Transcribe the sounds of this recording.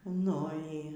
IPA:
nʊ ˈiː

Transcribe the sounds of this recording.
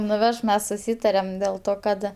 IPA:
nʊˈʋʲɛʃ ˈmʲɛs sʊˈsʲiːtɐrʲɛm dʲɛlˠ ˈtoː kɐt

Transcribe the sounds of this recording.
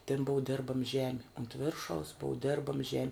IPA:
tʲɪn ˈbʊʊ ˈdʲɪrbɐm ˈʒʲæːmʲɪ ʊnt ˈʋʲɪrʃɐʊs ˈbʊʊ ˈdʲɪrbɐm ˈʒʲæːmʲɪ

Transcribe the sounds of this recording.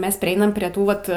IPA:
ˈmʲɛs pʲrʲɪˈɛɪnɐm pʲrʲiɛ ˈtuː ʋɐt

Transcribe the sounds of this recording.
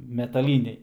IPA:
mʲɛtɐˈlʲiːnʲɛɪ

